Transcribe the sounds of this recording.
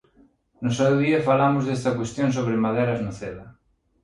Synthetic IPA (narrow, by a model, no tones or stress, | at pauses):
nosaoðiafalamʊzðest̪ɐkwest̪jõnsoβ̞ɾɪmaðeɾaznoθeðɐ